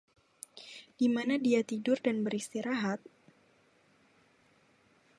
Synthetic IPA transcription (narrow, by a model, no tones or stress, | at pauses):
d̥imanadiat̪idʊrdanbəɾist̪iɾaɦat̪̚